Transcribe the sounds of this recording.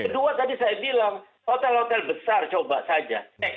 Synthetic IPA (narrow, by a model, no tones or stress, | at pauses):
əduat̪adisajabilaŋ | hot̪ɛlhot̪ɛlbəsart͡ʃobasad͡ʒa̰